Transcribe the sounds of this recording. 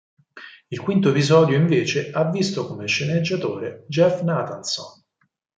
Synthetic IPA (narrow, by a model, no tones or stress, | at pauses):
ilkwint̪̬oepizɔːd̪joiɱveːt͡ʃeavːist̪okomeʃːened͡ʒːat̪oːɾed͡ʒɛfnat̪anso̰n